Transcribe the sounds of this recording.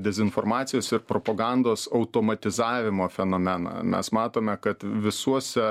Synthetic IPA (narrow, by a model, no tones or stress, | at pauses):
d̪ʲɛzʲɪnfoːɾmɑːt̪sʲɪjoːsɪɾpɾoːpoːɡɑnd̪oːsɐʊt̪oːmɐt̪ʲɪzɑːʋʲɪmoːfʲɛnoːmʲɛnɑ̰mʲɛ̰smɑːt̪oːmʲɛkɐt̪ʋʲɪsuɔsʲɛ